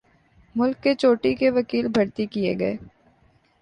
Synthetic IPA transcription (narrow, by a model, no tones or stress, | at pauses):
mʊlkːet͡ʃoːʈikeʋɐkiːlbʱɐɾt̪ikijḛɡɐḛː